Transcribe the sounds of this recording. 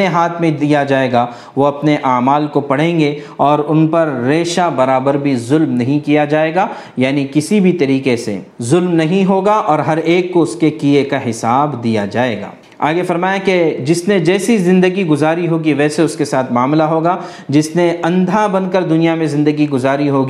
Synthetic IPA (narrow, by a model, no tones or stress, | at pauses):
eɦaːt̪ʰmẽd̪ijad͡ʒaːeːɡa | ʋoɐpneʔaːmaːlkopɐɽ̤ẽːŋɡeɔːɾʊnpɐɾːeːʃabɐɾaːbəɾbʱizʊlmnɐɦĩkijad͡ʒaːeːɡa | jaːnikɪsibʱit̪ɐɾiːqesḛzʊlmnɐɦĩɦoːɡaʔɔːɾɦɐɾeːkːoʊskekiekaɦɪsaːbd̪ijad͡ʒaːeːɡa̰ː | a̰ːɡefɐɾmaːjẽked͡ʒɪsned͡ʒɛːsizɪ̃nd̪əɡiɡʊzaːɾiɦoːɡiʋɛːseʊskesaːt̪ʰmaːmlaɦoːɡa | d͡ʒɪsneɐ̃nd̪ʱabɐ̃nkəɾd̪ʊnijamẽzɪ̃nd̪əɡiɡʊzaːɾiɦoːɡi